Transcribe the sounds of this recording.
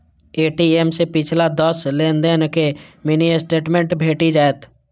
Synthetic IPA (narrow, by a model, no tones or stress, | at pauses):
eːʈiemsepɪt͡ʃʰlad̪əslẽːnd̪enkeminiesʈeːʈmẽɳʈbʱeːʈid͡ʒaːet̪ʰ